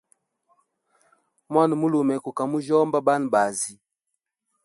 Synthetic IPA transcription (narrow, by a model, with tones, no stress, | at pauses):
mwa˦n˨mu˦lo˨mɛ˨ku˨ka˨mu˦d͡ʒɔ˦mba˦ba˦n˨ba˨zi˦